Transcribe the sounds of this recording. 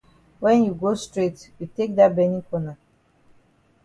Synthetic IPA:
wɛ̃njuɡostɹetjutek̚d̪abɛnĩkɔna

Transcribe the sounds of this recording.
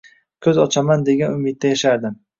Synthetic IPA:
kʰɵzɒt͡ʃʰamand̪e̞ɡʲanʊmɪd̪̚d̪ajaʃaɾd̪ɪm

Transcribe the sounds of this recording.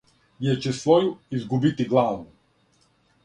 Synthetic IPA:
jɛt͡ʃɛsvɔjuizɡubit̪iɡlˠaːnu

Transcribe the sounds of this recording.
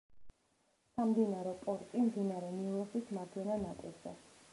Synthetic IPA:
samd̪inaɾɛpʼɔɾt̪ʼimd̪inaɾɛnilɛsisʰmad̪ʰwɛnanat̪ʼḭɾzɛ̰

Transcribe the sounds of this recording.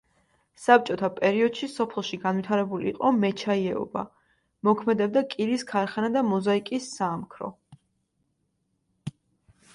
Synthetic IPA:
sap̚t͡ʃʼɔt̪ʰapʼɛɾiɔd̪̥ʃisɔpʰlˠʃiɡanwit̪ʰaɾɛbuliːqʼɔmɛt͡ʃʰaiɛɔ̰ba̰ | mɔkʰmɛd̪ɛb̚d̪akʼiɾiskʰaɾχɛnad̪amɔzaikʼisːaːmkʰɾɔ̰

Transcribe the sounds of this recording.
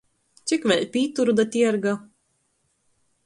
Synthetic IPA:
t̪sʲikvʲɛʎʲpʲiːt̪uɾud̪at̪ʲiɛɾɡa

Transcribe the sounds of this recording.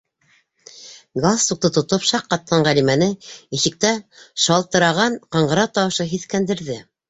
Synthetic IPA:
ɡast̪uk̚t̪ɤt̪ŏt̪opʃɑqːɑt̪̚ːɑɴʁælimænɘiʃɘ̆k̚t̪æʃɑlˠt̪ɤ̆ɾɑʁɑnqɑɴɢɤ̆ɾɑt̪ɑwɤ̆ʃɤɦiθkænd̪ɘ̆ɾðɘ

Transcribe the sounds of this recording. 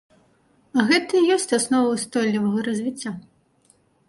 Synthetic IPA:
ɐɣɛt̪ɐijɔsʲt͡sʲasnɔvɐwst̪ɔlʲːivɐɣɐɾɐzʲvʲit͡sʲːa

